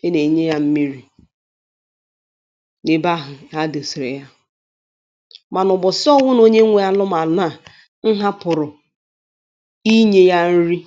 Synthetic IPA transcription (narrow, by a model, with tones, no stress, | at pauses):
e˦ne˨ɲe˦ja˦m̩˦mi˦ɾi˨ | ne˨ba˦ɦʊ˨a˦de˨si˨ɾḛ˨ja˦ | ma˨nʊ˨bʊ˨sɔ˦wʊ˦no˦ɲe˦ŋʷe˨a˨lʊ˦ma˨na˦˨ | n̩˦ɦa˦pʊ˨ɾʊ˨ | i˦ɲe˦ja˦n̩˦ɾi˦